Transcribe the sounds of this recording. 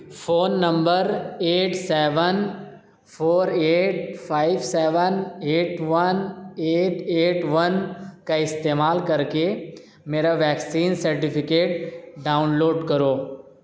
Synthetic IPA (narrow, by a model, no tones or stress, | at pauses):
fʰoːnːə̃mbəɾeːʈsɛːʋən | pʰoːɾeːʈfʰaːɪʋsɛːʋəneːʈʋəneːʈeːʈʋənkaɪst̪eːmaːlkɐɾke | meːɾaʋɛːksiːnsɐɾʈɪpʰɪkeːʈɖaːʊnloːɖkɐɾoː